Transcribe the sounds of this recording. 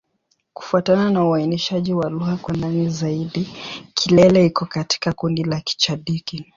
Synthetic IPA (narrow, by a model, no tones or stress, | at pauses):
ku̥fuatananauainiʃaʄiwaluɣakwandanizaiɗikʰilɛlɛikɔkati̥kakundilaki̥t͡ʃaɗiki